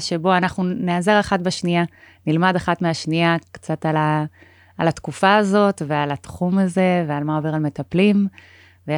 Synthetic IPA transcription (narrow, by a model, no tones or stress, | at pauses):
ʃe̞bo̞anaχnuneaze̞ʁaχatbeʃnianilmadaχatmeaʃniakt͡sat̪alaː | lat̪kufaːzo̞t̪vealat̪χumaze̞vealmaove̞ʁalme̞taplim | ve